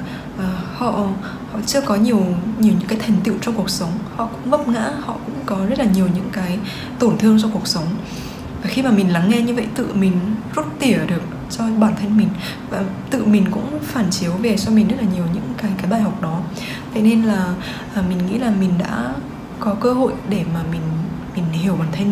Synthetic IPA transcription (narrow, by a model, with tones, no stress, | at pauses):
ʔəː˨˩hɔ̰˧˨ | hɔ̰˧˨t͡ɕɨ˧əkɔ˨˦ɲi˨˩əwɲi˨˩əwɲɨ̰˧˥kːaː˨˦jt̪ʰa˨˩jŋ̟t̪ḭ˧˨əwt͡ɕɔ˧wŋ͡mku˨˩ək̚sə˨˦wŋ͡mhɔ̰˧˨kʊ̰˧˥ŋ͡mvə˦˥p̚ŋa̰ː˧˥hɔ̰˧˨kʊ̰˧˥ŋ͡mkɔ˨˦zə˦˥t̚laː˨˩ɲi˨˩əwɲɨ̰˧˥ŋkaː˨˦j | t̪o˧˩nt̪ʰɨ˧əŋt͡ɕɔ˧ku˨˩ək̚sə˨˦wŋ͡m | aː˨˩xi˧maː˨˩mï˨˩ŋla˨˦ŋːɛ˧ɲɨ˧və̰˧˨jt̪ɨ̰˧˨mi˨˩ŋ̟zu˦˥t̚t̪i˧˩əɗɨ˨˩ək̚ | t͡ɕɔ˧ɓaː˧˩nt̪ʰa˧jŋmi˨˩ŋ̟ | vaː˨˩t̪ɨ̰˧˨mi˨˩ŋ̟kʊ̰˧˥ŋ͡mfaː˧˩nt͡ɕi˨˦əwve˨˩t͡ɕɔ˧mi̟˨˩zə˦˥t̚laː˨˩ɲi˨˩əwɲɨ̰˧˥ŋkaː˨˦jkaː˨˦jɓaː˧˩jɦa˨˩wk͡p̚ɗɔ˨˦ | t̪ʰḛ˧˥ne˧nlaː˨˩ | ʔːmï˨˩ŋ̟ŋḭ˧˥laː˨˩mi˨˩ŋ̟ɗa̰ː˧˥ | kɔ˨˦kəː˧ho̰˧˨jɗe˧˩maː˨˩mï˨˩ŋ̟ | mi˨˩ŋ̟hi˧˩əwɓaː˧˩nt̪ʰa˧j